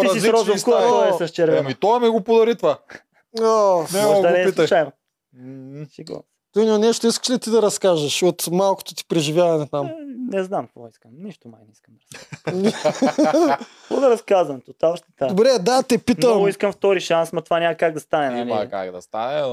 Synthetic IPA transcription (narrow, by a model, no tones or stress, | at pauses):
t̪iɐzsisɾɔok̪ɔɛsɐʃt͡ʃɛɾvmit̪ɔmɛɡopod̪ɐɾit̪va | ɔnɛd̪ɐnɛːslˠt͡ʃajno | siɡo̰ | t̪uinmɐnɛʃt̪oiskə̥ʃd̪ɐt̪id̪ɐɾɐskaʒɐʃot̪malˠko̥t̪o̥t̪i̥pɾɛʒivjavɐnɛt̪amnɛznamkvɔ̰iskəmniʃt̪omajnɛiskɐmd̪ɐɾɐskaz | kɔ̰d̪ɐɾɐskazvɐmt̪ot̪aoʃt̪ɛ̥t̪ad̪obɾɛd̪at̪ɛpitnəɔmɡoiskɐmft̪ɔɾiʃansmɐt̪vanʲamɐkaɡ̚d̪ɐst̪anɛnalaka̰ɡd̪ɐst̪anɛ